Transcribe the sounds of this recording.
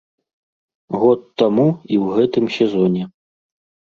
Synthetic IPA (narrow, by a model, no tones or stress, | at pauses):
ɣɔt̪ːamuiwɣɛt̪ɨmsʲɛzɔnʲɛ